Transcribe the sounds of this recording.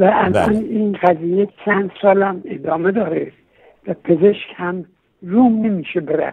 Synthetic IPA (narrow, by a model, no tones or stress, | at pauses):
væʔælɒ̰niːnɢæziːjet͡ʃʰænd̪̥sɒːlæmed̪ɒːme̞d̪ɒːɾe | væpʰezeʃkhæm | ruːmnemiːʃebeɾæ̰